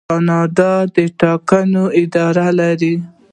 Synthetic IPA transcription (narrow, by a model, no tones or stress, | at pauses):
ɑnɑd̪ad̪əʈɑkanoɪd̪ɑɾalaɾi